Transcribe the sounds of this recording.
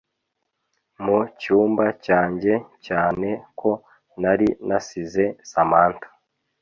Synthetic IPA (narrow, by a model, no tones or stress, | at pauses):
mucuːmbacaːɲɟe̞caːne̞kʰo̞ | naɾinasize̞samaːntḁ